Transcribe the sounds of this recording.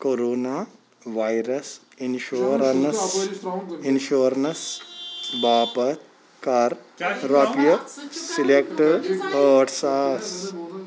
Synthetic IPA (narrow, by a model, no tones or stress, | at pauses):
koɾoːnaː | ʋajɾɐs | inʃoːɾns | inʃoɾns | baːpɐt̪ | kaːɾ | ɾaːpijɐsilekʈəʈsas